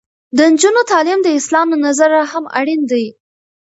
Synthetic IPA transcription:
d̪ənd͡ʒunot̪ɑlɪmd̪əɪslɑmnazaɾahama̰ɽind̪aj

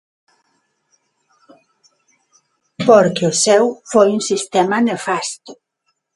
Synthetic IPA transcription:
poɾkeʊsɛwfojuŋsist̪ɛmanefast̪ʊ̥

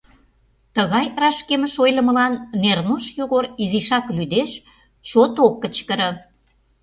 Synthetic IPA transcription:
t̪əɣɑjrɑʃkemə̆ʃojlə̆mə̆lɑnːernuʃjoɣoɾiziʃɑklyd̪eʃ | ʃot̪okːət͡ɕkə̆ɾə̆

